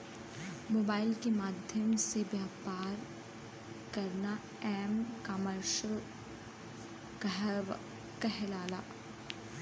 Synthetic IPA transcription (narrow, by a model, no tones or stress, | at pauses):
moːbaːɪlkemaːd̪ʱjəmseʋjaːpaːɾ | kɐɾna | ɛːmkaməɾʃəl | k | kɐɦɛlaːla̰ː